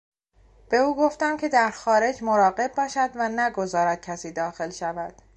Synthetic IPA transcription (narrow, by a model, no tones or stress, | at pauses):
b̥e̞uːɡo̞ft̪æmcʰe̞d̪æɾxɒːɾe̞d͡ʒmoɾɒːɢe̞b̚bɒːʃæd̪vænæɡo̞zɒːɾæd̪̥̚cʲʰæsiːd̪ɒːxe̞lʃævæd̪̥